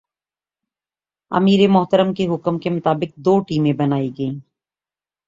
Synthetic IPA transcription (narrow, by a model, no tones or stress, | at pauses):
ɐ̰miːɾemʊɦt̪əɾəmkeɦʊkmkemʊt̪aːbɪk̚d̪oːʈiːmẽbɐnaːiɡɐĩː